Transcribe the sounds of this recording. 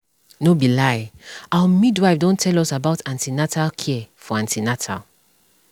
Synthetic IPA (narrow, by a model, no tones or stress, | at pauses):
nobilajawəmidwaɪfdõntʰɛlɔsabaʊtãntinatʰalkʰiɛfɔãntinatʰa̰l